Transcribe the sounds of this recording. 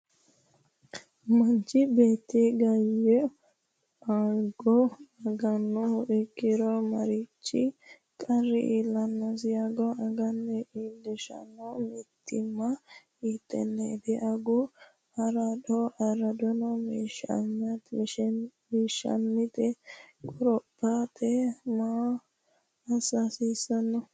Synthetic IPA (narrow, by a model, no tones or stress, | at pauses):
mɐnt͡ʃɪbe̞ːt̪ːiɡɐjːɛ | aːɡɔɐɡɐnːɔhʊʔɛkːɪɾɔmɐɾɪt͡ʃːɪ | kʼɐrːɪʔiːlːɐnːɐs̬ɪjaɡɔɐɡɐnːɛʔiːlːɛʃɐ̰nɔmɪt̪ʰːɪmːɐ | it̪ːɛ̰nːɛd̪ɛʔaɡɔ | ɐɾadɔʔɐɾɐd̪ɔnɔmiʃɐɲɐt̪ | miːʃːɐ̰nːɪt̪ɛkʼʊɾɔpːat̪ɛma | ɐsasiːsɐnːɔ